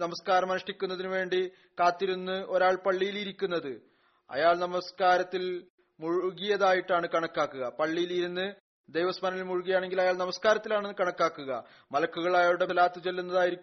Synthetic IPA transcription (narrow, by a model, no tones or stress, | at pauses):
nɐmɐskaːɾɐmɐnɐʂʈikʲːunːɐðinɨʋe̞ːɳɖi | kaːt̪ːiɾunːɨʔo̞ɾaːɭpɐɭːijiliɾikʲːunːɐðɨ | ɐ̰jaːɭnɐmɐskaːɾɐt̪ːil | muɻuɣijɐðaːjiʈːaːɳɨkɐɳɐkːaːkːuɣɐpɐɭːijiliɾunːɨ | d̪ejʋɐsmɐnɐmilmuɻuɣijaːɳe̞ŋɡilɐjaːɭnɐmɐskaːɾɐt̪ːilaːɳːɨkɐɳɐkːaːkːuɣɐ̰ | mɐlɐkːuɣɐɭɐjaːɾuɽe̞laːt̪ːɨt͡ɕe̞lːunːɐðaːjiɾikː